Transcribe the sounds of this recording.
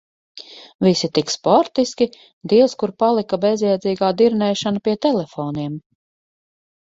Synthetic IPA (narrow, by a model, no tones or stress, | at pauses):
visit̪ikspɔɾt̪iskʲi | d̪iɛwskuɾpalˠikabezjɛd̪ziːɡaːd̪iɾnɛːʃanapiɛt̪ɛlɛfoːniɛm